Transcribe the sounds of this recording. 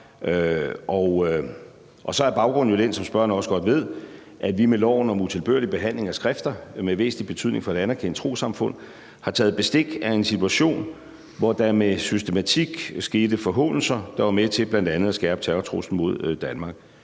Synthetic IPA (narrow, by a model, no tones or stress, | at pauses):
ʔɒ | ʔɒ̽sɒ̽æɐb̥ɑ̈ʊɡ̥ʁɔ̽n̩jod̥en̰sɒ̽msb̥ɶɐ̰ɐnəɒ̽sə̥ɡ̥ɒ̽d̥ʋe̝ð̞̰ˠ | ʔæʋimelɒʊ̰nɒ̽mut͡sʰe̝lb̥øɐlib̥e̝ɦæn̰le̝ŋæsɡ̥ʁafd̥ɐmeʋe̝̰ːsn̩li̥b̥e̝t͡sʰyð̰ˠne̝ŋfɒ̽e̝ɾænæɐkʰen̰ə̥t͡sʰʁo̝̰ːsɑ̈mfɔ̽n̰ | hɑ̈t͡sʰɛ̰ːð̩ˠb̥e̝sd̥e̝ɡ̥æe̝nsit͡sʰuæɕo̝̰ːn | ʋɒd̥ɑ̈mesysd̥e̝mæt͡sʰiɡ̥sɡ̥e̝ːd̥əfɒɦɔ̰̽ːnl̩sɐd̥ɑ̈ʋɑ̈met͡sʰe̝b̥læn̰d̥ænð̞̩ˠæsɡ̥æɐb̥ə̥t͡sʰæɐɐt͡sʰʁo̝sn̩mo̝ð̞̰ˠd̥ænmɑ̈ːɡ̥